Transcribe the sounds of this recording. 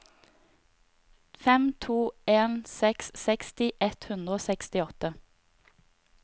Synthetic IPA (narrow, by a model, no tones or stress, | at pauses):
fɛmt̪ʰuːeːnsɛkssɛkst̪ɪʔɛt̪hʉnd̪ʁəoːsɛkst̪ɪɔt̪ə